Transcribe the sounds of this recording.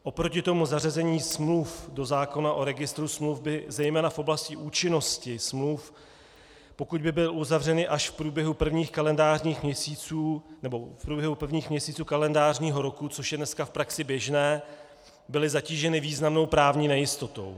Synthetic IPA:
ʔo̞pɾocɪt̪o̞muzarazɛɲiːsmlufdo̞zaːko̞naʔo̞ɾɛɡɪst̪ɾusmlufbɪzɛjmɛːnafʔo̞blascɪʔuːt͡ʃɪno̞scɪsmluf | po̞kud̪̚bɪbɪlʔuzavr̝ɛnɪʔaʃfpɾuːbjɛɦupr̩vɲiːxkalɛndaːrɲiːxmɲɛsiːt͡suːnɛbo̞fpɾuːbjɛɦupr̩vɲiːxmɲɛsiːt͡suːkalɛndaːrɲiːɦo̞ɾo̞kut͡soʃjɛdnɛskafpɾaksɪbjɛʒnɛː | bɪlɪzaciːʒɛnɪviːznamno̞wpɾaːvɲiːnɛjɪst̪o̞t̪o̞̰w

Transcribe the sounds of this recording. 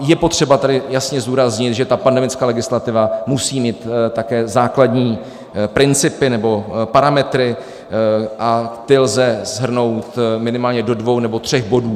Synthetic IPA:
jɛpo̞t̪r̝̥ɛbat̪adɪjasɲɛzduːɾazɲɪt̪ʒɛt̪apandɛmɪt͡skaːlɛɡɪslat̪ɪvamusiːmiːt̪t̪akɛːzaːkladɲiː | pɾɪnt͡sɪpɪnɛbo̞paɾamɛt̪ɾɪ | ʔat̪ɪlzɛz̥ɦr̩no̞wt̪mɪnɪmaːlɲɛdo̞dvo̞wnɛbo̞t̪r̝̥ɛxbo̞duː

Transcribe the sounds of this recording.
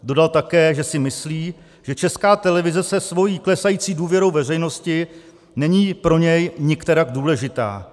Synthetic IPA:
do̞dalt̪akɛːʒɛsɪmɪsliː | ʒ̥ɛt͡ʃɛskaːt̪ɛlɛvɪzɛsɛsvo̞jiːklɛsajiːt͡siːduːvjɛɾo̞wvɛr̝ɛjno̞scɪ | nɛɲiːpɾo̞ɲɛjɲɪkt̪ɛɾaɡduːlɛʒɪt̪a̰ː

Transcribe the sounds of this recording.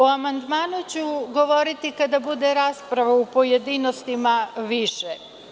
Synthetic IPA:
oamand̪maːnut͡ɕuɡo̞ʋoɾit̪ikad̪abud̪eɾaːspɾaʋaupojed̪ino̞st̪imaʋiʃe

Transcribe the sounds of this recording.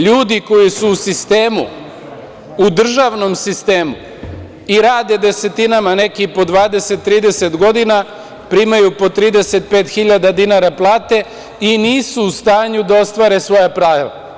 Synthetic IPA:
ʎuːd̪iko̞jisuːsist̪e̞ːmṵ | ud̪r̩ʒaʋno̞msist̪e̞ːmu | iɾaːd̪e̞d̪e̞se̞t̪inamane̞kipo̞d̪ʋaːd̪e̞set̪ːɾiːd̪e̞se̞t̪ɡo̞d̪ina | pɾiːmajupo̞t̪ɾiːd̪e̞se̞t̪̚pe̞ːt̪xiʎad̪ad̪inaɾaplˠaːt̪e̞ | iniːsuːst̪aːɲud̪ao̞st̪ʋaɾe̞sʋo̞japɾaːʋa̰

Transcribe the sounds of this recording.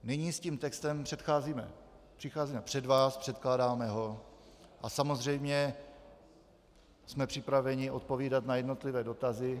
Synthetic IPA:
nɪɲiːsciːmt̪ɛkst̪ɛmpr̥ɛt̪xaːziːmɛ̰ | pr̝̥ɪxaːziːmɛpr̝̥ɛdvaːspr̥ɛt̪klaːdaːmɛɦo̞ | ʔasamo̞zr̝ɛjmɲɛ | smɛpr̝̥ɪpɾavɛɲɪʔo̞t̪̚po̞viːdat̪najɛdno̞t̪lɪvɛːdo̞t̪azɪ

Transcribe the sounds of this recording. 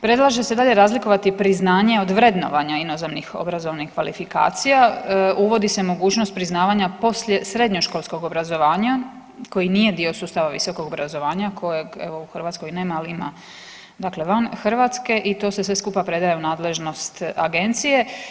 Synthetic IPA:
pɾe̞d̪lˠaʒe̞sed̪aːʎe̞ɾaːzliko̞ʋat̪ipɾiznaːɲe̞o̞d̪ʋɾe̞d̪no̞̰ʋaɲainozamnixo̰bɾazo̞ʋnihkʋa̰lifika̰ːt̪sijauʋo̞d̪ise̞mo̞ɡuːt͡ɕno̞st̪pɾiznaːʋaɲapo̞sʎe̞sɾe̞d̪ɲoʃko̞lˠsko̞ɡobɾazoʋaːɲa | ko̞jinije̞d̪io̞suːst̪aʋaʋḭso̞ko̞ɡobɾazo̞ʋaːɲakʰo̞jeɡeʋo̞uxrʋat̪sko̞jneːmalima̰ | d̪akle̞ʋanxr̩ʋat̪ske̞ʔit̪o̞ːse̞sʋe̞skupapɾe̞d̪ajeunaːd̪le̞ʒno̞st̪a̰ɡe̞nt̪sije̞

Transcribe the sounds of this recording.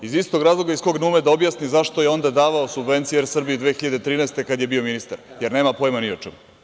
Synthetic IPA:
izist̪o̞ɡɾaːzlˠoɡaisko̞ɡnuːmed̪aobjasnizaʃt̪ojeo̞nd̪ad̪aːʋaosubve̞nt̪sijjeɾsr̩bijid̪ʋexiʎad̪et̪ɾiːnɛst̪ekad̪jebio̞minist̪aɾjeɾneːmapo̞jmaniot͡ʃḛmu

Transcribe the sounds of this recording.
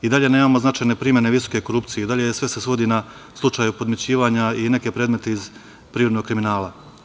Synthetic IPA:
id̪aʎe̞neːmaːmo̞znat͡ʃaːjne̞pɾimjene̞ʋisoke̞ko̞ɾupt̪sijed̪aʎesʋe̞sesʋo̞d̪ina | slˠut͡ʃaːjupo̞d̪mjet͡ɕiːʋaːɲaine̞ke̞pɾe̞ːd̪me̞t̪eiz | pɾiːɾod̪no̞ɡ̚kɾiminaːla

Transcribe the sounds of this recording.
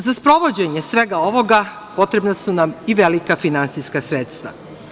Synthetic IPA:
zaspɾo̞ʋo̞d͡ʑe̞ɲe̞sʋe̞ɡao̞ʋo̞ɡa | po̞t̪ɾebnasunamiʋelikafinant̪siskasɾet̪st̪ʋa̰

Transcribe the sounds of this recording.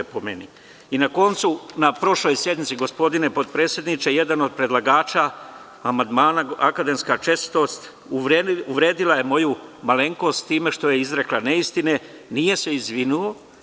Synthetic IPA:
pomeni | inako̞nt̪sunapɾo̞ʃlo̞jsje̞d̪nit̪siɡo̞spo̞d̪ine̞po̞d̪̚pɾeːsje̞d̪nit͡ʃeje̞d̪anod̪̚pɾe̞d̪lˠaɡaːt͡ʃa | amand̪maːnaakad̪e̞mskat͡ʃe̞st̪o̞st̪ | uuʋɾe̞ːd̪ilaje̞mo̞jumale̞ŋko̞ːst̪t̪iːme̞ʃt̪o̞jeizɾe̞klane̞ist̪ine̞ | nije̞se̞izʋinuo̞

